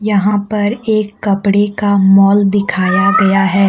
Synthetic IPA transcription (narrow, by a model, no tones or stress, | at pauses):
jɐɦãpɐɾeːkːɐpɽekamɔːld̪ɪkʰaːjaɡɐjaɦɛː